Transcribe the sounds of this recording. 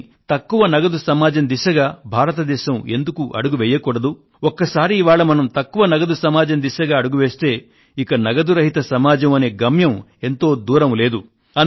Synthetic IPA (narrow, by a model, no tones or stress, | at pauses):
t̪ɐkːuʋɐnɐɡɐd̪usɐmaːd͡ʒɐnd̪iʃɐɡaːbʱaːɾɐt̪ɐd̪ɛːʃɐme̞nd̪ukuʔɐ̰ɽuɡuʋɛjɐkuːɽɐd̪u | okːɐsaːɾiːʋaːɭɐmɐnɐmt̪ɐkːuʋɐnɐɡɐd̪usɐmaːd͡ʒɐnd̪iʃɐɡaːɐɽuɡuʋeːst̪e̞ː | ikɐnɐɡɐd̪uɾɐɦit̪ɐsɐmaːd͡ʒɐmɐne̞ːɡɐmjɐme̞nt̪o̞ːd̪uːɾɐmle̞ːd̪u | ɐ